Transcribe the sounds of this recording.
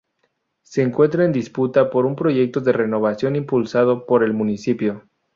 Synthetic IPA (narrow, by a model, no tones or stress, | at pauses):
se̞ːŋkwe̞nt̪ɾaend̪isput̪apo̞ɾumpɾo̞ʝe̞k̚t̪o̞ðere̞no̞βasjo̞nimpulsað̞opo̞ɾe̞lmũnisipjo̞